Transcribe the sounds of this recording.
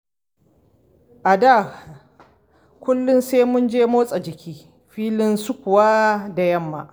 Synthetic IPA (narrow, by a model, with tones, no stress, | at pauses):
ʔa˨da˦˨ | kʷʊ˦lːʊ˦nseː˦mʊ˦nd͡ʒeː˦moː˦sʼa˨d͡ʒɪ˨kʲiː˦ | ɸiː˦lɪ˦nsʊ˦kʷʊ˨wa˦da˨jɐ˦mːa̰˨ʔ